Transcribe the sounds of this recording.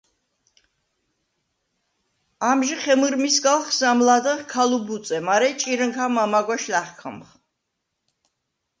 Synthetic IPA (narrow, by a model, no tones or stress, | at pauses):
amʒiχɛmɨɾmisɡalχzamlad̪əχkʰalubut̪sʼɛmaɾɛt͡ʃʼiɾəŋkʰamamaɡwaʃlaχkʰə̰mχ